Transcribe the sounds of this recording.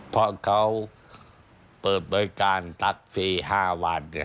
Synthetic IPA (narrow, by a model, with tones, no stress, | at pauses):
pʰɾɔ˦˧kʰa˦˥w | pɤː˨˩t̪̚bɔː˧jkaː˧nt̪a˦˥k̚fiː˧˩haː˧˩wa˧˩n